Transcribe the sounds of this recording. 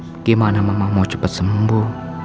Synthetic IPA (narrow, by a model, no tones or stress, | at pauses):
kemanamamamɔt͡ʃə̥pət̪̚səmbu